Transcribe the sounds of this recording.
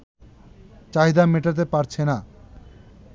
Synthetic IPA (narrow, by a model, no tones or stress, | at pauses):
t͡ɕaɦid̪ameʈat̪̬epaɾt͡ɕʰena